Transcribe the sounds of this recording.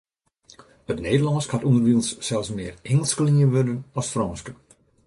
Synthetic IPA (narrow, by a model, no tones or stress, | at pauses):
ətneːdəlɑnskhatundərʋiəlˠsːɛlˠsmɪːrɛŋəlˠskəliəʋødənɔsfrɔnskə